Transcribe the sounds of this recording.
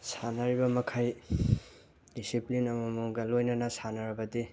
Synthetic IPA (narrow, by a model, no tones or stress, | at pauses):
sanaɾibamɐkʰaj | disiplinamamuŋɡalojnanasanaɾɐbɐdi